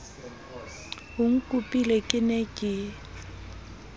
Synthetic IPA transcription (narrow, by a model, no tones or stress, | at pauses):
ɦʊŋ̩kʼupʼilekʼɪnekʼɪ